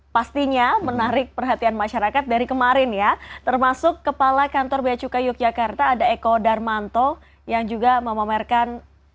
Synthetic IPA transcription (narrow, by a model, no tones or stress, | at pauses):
past̪iɲamənaɾɪk̚pərɦat̪ianmaʃaɾakat̪̚daɾikəmaɾɪnjat̪ərmasʊkːəpalakant̪ɔrbeat͡ʃukajuk̚d͡ʒakart̪aːdaekɔdarmant̪ɔ | jaŋd͡ʒuɡaməmamɛrkan